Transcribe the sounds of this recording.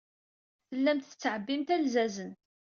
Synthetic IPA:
θəlːæmt̪ə̥t͡sːʕəbːimt̪ælzæzən

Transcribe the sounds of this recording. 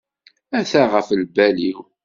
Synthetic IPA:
æθæʁəflbæliw

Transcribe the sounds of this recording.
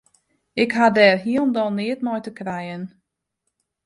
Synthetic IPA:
ɪkɦadɛːrɦiəlˠndɔnɪətmɔjtəkrɛjən

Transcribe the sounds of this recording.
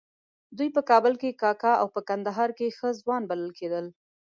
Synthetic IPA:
d̪ujpəkɑbəlkekɑkɑawpəkand̪aɦɑɾkexəzwɑnbaləlkʰed̪əl

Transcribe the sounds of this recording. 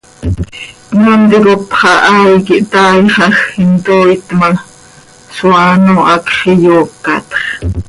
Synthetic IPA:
nont̪ikopχɑʔajkiʔt̪ɑːjχɑxint̪ojt̪ma | swaːnoʔɑkχijokːɑ̰t̪χ

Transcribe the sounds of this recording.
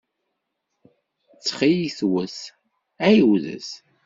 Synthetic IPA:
t͡sːχijiθwəθ | æjəwðə̰s

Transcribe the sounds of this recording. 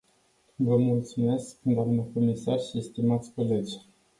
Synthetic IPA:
vəmult̪sume̞skd̪oamnəkomisarʃist̪imat̪sʲko̞le̞d͡ʒʲ

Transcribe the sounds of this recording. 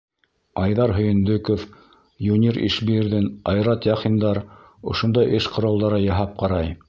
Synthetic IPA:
ɑjðɑɾɦɵ̆jɘ̆nd̪ɵkof | junʲiɾḭʃbiɘ̆ɾðɘnɑjɾɑt̪jɑχind̪ɑɾ | ŏʃond̪ɑjʔɘʃqŏɾɑlˠd̪ɑɾɤjɑɦɑp̚qɑɾɑj

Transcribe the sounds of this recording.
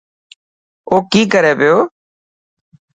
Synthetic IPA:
oːkiːkəɾɛːpɪjoː

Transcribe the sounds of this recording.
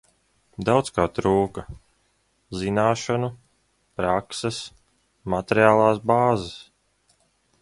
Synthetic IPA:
d̪awt̪skaːt̪ɾuːka | zinaːʃanu | pɾaksɛs | mat̪ʲeɾjaːlˠaːsbaːzas

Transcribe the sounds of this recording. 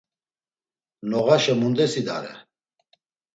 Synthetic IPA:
nɔɣaʃɛmund̪ɛsid̪a̰ɾɛ̰

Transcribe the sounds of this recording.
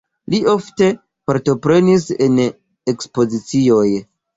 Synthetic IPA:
lio̞fte̞ | paɾto̞pɾe̞nisen | e̞kspo̞zit͡sio̞j

